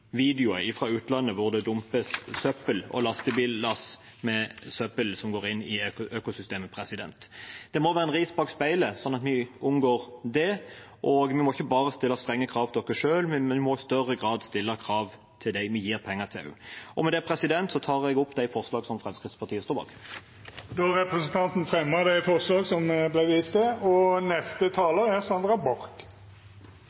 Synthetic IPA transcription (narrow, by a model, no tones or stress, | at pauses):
ʋiːd̪ɪʊəɪfʁɑːʉːt̪lɑnːəʋʊʁd̪ɛd̪ʊmpəssœpəlɔ̰lɑst̪əbiːlːɑs | mɛsœpəlsɔmɡoːʁɪnːɪøːkʊsʏst̪eːməpʰɾɛsɪd̪ɛ̰nt̪d̪̥ɛmɔʋæːɾəɛnʁiːsbɑɡspæɪləsɔnːɑt̪mɪʊmɡoːʁd̪ɛʔɔɡmɪmɔɪçːəbɑːʁəst̪ɪlːɑst̪ʁɛŋːəkʰɾɑːʋt̪d̪ɔkːəʂøːlmɪɛnʋɪmɔɪst̪œrəɡʁɑːd̪st̪ɪlːəkʰɾɑːʋ | t̪ʰɪld̪æɪmɪjiːɾpʰɛŋːət̪ʰɪ̰lʔɔmɛd̪ɛæpʰɾɛsɪd̪ɛnt̪sɔt̪ʰɑːʁɛɡʊpːd̪æɪfɔʁslɑːɡsɔmfɾɛmskʁɪt̪spʰɑɾt̪iːəst̪uːbɑ̰ʁk | d̪ɔɾɛpɾəsənt̪ʰɑnt̪n̩fɾɛmːəd̪æɪfɔʁslɑːɡsɔmblæɪʋiːst̪əɔnɛst̪ət̪ʰɑːləɾæʁsɑnd̪ɾɑbɔɾk